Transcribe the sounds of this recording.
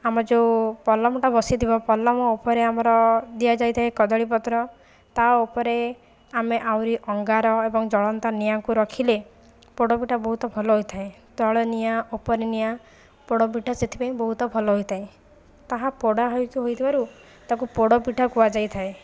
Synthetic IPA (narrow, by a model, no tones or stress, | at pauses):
amɔd͡ʒepɔlɔmɔʈabɔsit̪ʰibɔpɔlːɔmɔopɔɾeamɔɾɔd̪iad͡ʒajt̪ʰaekɔd̪ɔɽip̬ɔt̪ɾɔ | t̪aopɔɾe | ameʔawɾiʔɔŋɡaɾɔebɔŋd͡ʒɔɭɔnt̪anijaŋkuɾɔkʰile | poɽɔpiʈʰabɔɦut̪ɔbʱɔlɔɦojt̪ʰae | t̪ɔɭɔnijaʔopɔɾenija | poɽɔp̬iʈʰaset̪ʰi̥paĩbɔɦut̪ɔbʱɔlɔɦojt̪ʰae | t̪aɦapɔɽaɦɔjt̪uɦojt̪ʰibaɾu | t̪akupoɽɔpiʈʰakuad͡ʒajt̪ʰae